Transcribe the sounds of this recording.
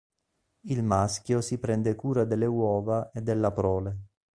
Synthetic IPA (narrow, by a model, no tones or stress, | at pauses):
ilmaskjosipɾɛnd̪ekuːɾad̪elːewɔːvaʔed̪ːelːapɾɔːle